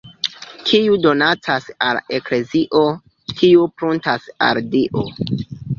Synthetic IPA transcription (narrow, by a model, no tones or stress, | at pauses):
kʰiudo̞nat͡sasalekle̞ziʔo̞ | kʰiupɾuntasa̰ɾdiʔo